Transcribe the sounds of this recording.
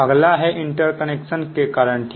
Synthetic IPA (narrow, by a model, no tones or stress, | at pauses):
əɡlaɦeʔiɳʈəɾkəneksənkekaɾəɳʈ